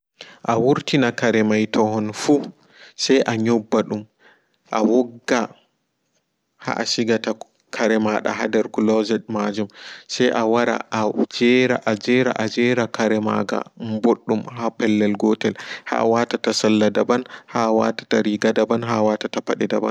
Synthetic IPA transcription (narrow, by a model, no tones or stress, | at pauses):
ʔawuɾtinakaɾɛmajtʰɔhɔnfu | sajʔaɲɔbːaɗum | ʔawɔɡːa | ha̰ʔa̰siɡata | kʰaɾɛmaɗa̰ɦa̰dɛɾkulɔzɛmad͡ʒumsɛjʔawaɾa̰ʔad͡ʒɛɾa̰ʔad͡ʒɛɾa̰ʔad͡ʒɛɾakaɾɛma̰ɡa̰mboɗːumhapɛlːɛlɡɔtɛlha̰watatasalːadabanhawa̰tḁtaɾiɡadabanɦawatatapaɗɛdaba̰n